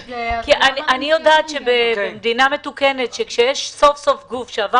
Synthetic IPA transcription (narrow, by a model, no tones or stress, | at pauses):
kiʔaniʔanijod̪aːt̪ʃebeemd̪iname̞t̪ukenet̪ʃekʃejɛʃso̞fso̞fɡufʃeava